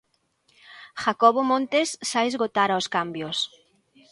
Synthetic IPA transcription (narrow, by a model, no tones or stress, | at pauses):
xakɔβomõnt̪esːajezɣot̪aɾaoskambjos